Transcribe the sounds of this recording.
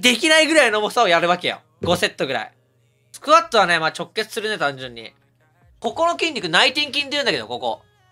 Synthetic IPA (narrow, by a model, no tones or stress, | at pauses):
d̪e̞kʲinaiɡɯ̟ɾainomosaojaɾɯ̟βake̞jo̰ | ɡ̥o̞se̞t̪ːo̞ɡɯ̟ɾa̰ḭ | sɨ̥kɯ̟βat̪ːoβane̞maːt͡ɕo̞kːe̞t͡sɨ̥sɨɾɯ̟net̪ãnd͡ʑɨ̃ɲ̟ːḭ | ko̞ko̞no̞kʲĩɲ̟ʲdʲikɯ̟nait̪ĩŋkʲĩnd̪ejɯ̟̃nd̪ake̞d̪o̞ko̞ko̞̰